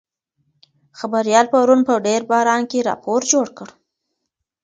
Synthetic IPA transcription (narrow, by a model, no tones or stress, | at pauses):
xabaɾjɑlpaɾunpəɖeɾbɑɾɑnkeɾɑ̰poɾd͡ʒoɽkəɽ